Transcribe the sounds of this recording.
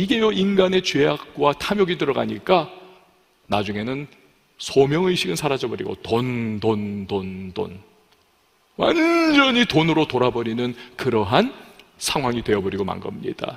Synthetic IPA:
iɡe̞joinɡane̞t͡ɕwe̞ak̚k͈watʰamjʌɡidɯɾʌɡa̰ɲik͈a | nad͡ʑuŋe̞nɯn | sʰʌmjʌŋɯiɕʰiɡɯnsʰaɾad͡ʑʌbʌɾḭɡo̰tondondondo̰n | wa̰ɲd͡ʑʌɲitonɯɾotoɾabʌɾinɯnkɯɾʌɦan | sʰaŋɦwaŋidwe̞jʌbʌɾiɡoma̰nɡʌ̰mɲḭd̥a̰

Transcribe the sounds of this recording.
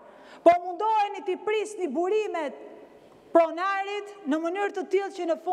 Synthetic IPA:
pɔmund̪ɔɦɛnit̪ipɾisnibuɾimɛt̪̚ | pɾɔnaɾit̪nəmənyɾt̪ət̪ilˠcənəfu

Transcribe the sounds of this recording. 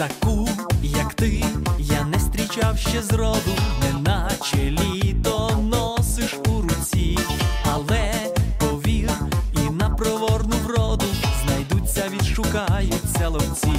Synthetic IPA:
t̪ɐkujɐkt̪ɪjanɛst̪ʲɾʲit͡ʃawʃt͡ʃɛzɾɔd̪ʊmɛnɐt͡ʃelʲit̪ɔnɔsɪʃuɾʊt͡sʲiɐlˠɛpɔʋʲirinɐpɾɔʋɔrnʊʋɾɔd̪ʊznɐjd̪ut͡sʲːɐʋʲid̪ʃʊkajʊt͡sʲːɐlˠɔwt͡sʲi

